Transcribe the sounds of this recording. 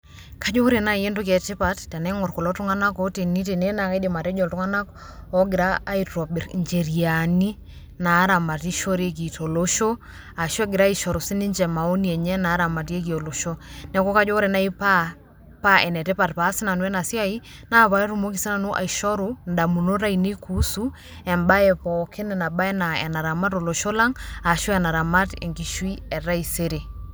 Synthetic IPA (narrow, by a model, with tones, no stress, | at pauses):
ka˦d͡ʒɔ˦ɾɛ˨na˦i˨e˦ndo˦k̬ɛ˨te˦pa˨ttɛ˨nɛ˦ŋɔ˨ɾkɔ˨lɔ˦tu˦ŋa˦na˦kɔ˦te˨ni˦te˨nɛ˦na˨ka˦i˦de˨ma˨ɾɛ˦d͡ʒɔ˨ltu˦ŋa˦na˦kɔ | ɔ˦ɡi˨ɾaː˦i˨tɔ˨bɾɲd͡ʒɛ˨ɾi˨a˨ni˦ | na˨˦ɾa˨ma˨ti˦ʃɔ˦ɾe˦k̬i˨tɔ˨lo˦ʃɔ˦ | a˨ʃɛ˦ɡi˨ɾa˦i˨ʃɔ˨ɾɔ˨si˦ni˦ɲd͡ʒɛ˨ma˨o˦ni˨ɛ˨ɲɛ˦na˨˦ɾa˨ma˨ti˦e˦k̬i˨ɔ˨lo˨ʃɔ˦nɛ˨˦kɔ˦ka˦d͡ʒɔ˦ɾɛ˨na˦i˦pa˦ | pa˦ʔɛ˨nɛ˨tɛ˦pa˨tpa˨˦si˦na˨nwɛ˦na˨si˦a˦i˦na˦βa˨ɛ˦ɾu˨mo˦ki˨si˦na˨no˦ʔa̰˨i˨ʃɔ˦ɾu˨nda˨mu˨no˦ɾa˦i˨ne˦kʰu˦su˦ | ɛ˨mba˦ɛ˨pɔ˨kʰe˦nɛ˨na˨ba˦ɛ˦na˨ɛ̰˨na˨ɾa˨ma˦to˨lo˨ʃo˦la˦ŋa˨ʃɔ˦ɛ˨na˨ɾa˨ma˦tɛ̰˨ŋɡi˨ʃwi˦ɛ˨ɾa˦i˨se˦ɾe˨